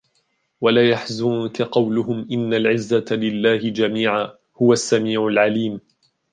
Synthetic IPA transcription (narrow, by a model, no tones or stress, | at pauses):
walaːjaħzʊnkaqɑwlʊɦʊmʔɪnːalʕɪzːalɪlːaːhɪd͡ʒamiːʕaː | hʊwasːamiːʕʊlʕaliːm